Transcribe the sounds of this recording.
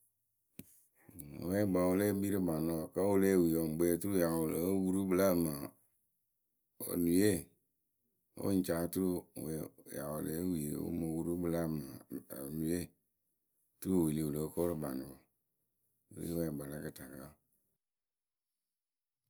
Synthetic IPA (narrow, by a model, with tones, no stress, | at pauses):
wɛ˦ɡ͡ba˨wo˦le˦bi˦ɾi˦ba˨no˦ɔ˨ka˦wo˦le˦˨wi˨ɔ˨m˨ɡ͡bɛ˨tu˦ɾu˦ja˨wo˨lə˨˦wu˦ɾu˦bɨ˨la˦˨ma˨ | o̰˨nu˨je˦˨ | o̰˦n̩˦˨t͡ʃa˨˦tu˦ɾu˦wɛ˨ja̰˨wo˨lḛ˦wi˨e˨o̰˦mo˨wu˦ɾu˦bɨ˨la˦˨ma˨nu˨je˦˨ | tu˦ɾu˦˨wi˨li˨wu˨lə˨˦ko˦ɾɨ˦ba˨nɔ˨ɔ˨ | lḭ˦wɛ˨ɡ͡ba˨la˦kɨ˨ta˨ka˦˨